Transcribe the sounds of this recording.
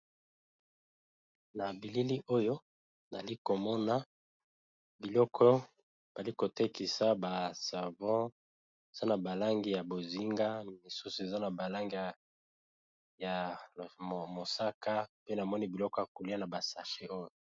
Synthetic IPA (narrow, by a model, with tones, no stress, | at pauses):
na˨bi˨li˦li˦ʔo˦jo˦ | na˨li˦ko˨mɔ˦na˦ | bi˨lɔ˦kʰɔ˦ | b̥a˨li˦ko˨te˦ki˨sa˦ba˨sa˨vɔ̃˦ | e˨za˦na˨ba˨la˦ŋɡi˦ja˨bo˨zi˦ŋɡa˦mi˨su˦su˨e˨za˦na˨ba˨la˦ŋɡi˦˨ | ja˨ | mo˨sa˦ka˦pe˦na˨mɔ˦ni˦bi˨lɔ˦kɔ˦ja˨ko˨li˦a˦na˨ba˨sa˨ʃe˦ʔo˦jo˨